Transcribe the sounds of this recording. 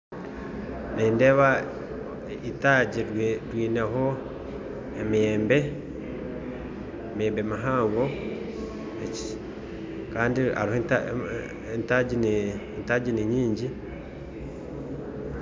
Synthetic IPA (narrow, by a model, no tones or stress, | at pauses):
niːndeβa | itaɟiɾɾwiːneɦo | emiɛmbɛ | emeːmbemaɦaːŋɡo | et͡ʃi̥ | kaːndia̰ɾihoa | entad͡ʒin | ntaɟiniɲiːɲɟi